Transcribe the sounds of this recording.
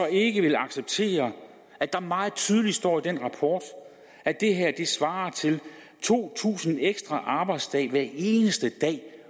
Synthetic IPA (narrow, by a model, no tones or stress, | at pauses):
ɒ̽e̝ɡ̥əʋe̝lɑ̈ɡ̥seb̥̚t͡sʰe̝̰ːɐ | æd̥ɑ̈mɑ̈ːð̩ˠt͡sʰyːð̞ˠəli̥sd̥ɒ̰ːid̥enʁɑ̈pʰɒːd̥ | æd̥e̝ɦæɐ̰d̥e̝sʋɑ̈ːɐt͡sʰe̝l | t͡sʰo̝̰ːt͡sʰṵːsn̩eɡ̥sd̥ʁɑʔɑ̈ːb̥ɑ̈ɪd̥sd̥ɛ̰ːʋæɐe̝ːnəsd̥əd̥ɛ̰ː